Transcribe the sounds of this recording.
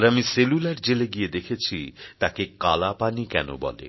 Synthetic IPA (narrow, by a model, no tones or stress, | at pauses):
ɾamiselulaɾd͡ʑeleɡied̪ekʰet͡ɕʰit̪akekalapanikɛ̰no̰bɔ̰lḛ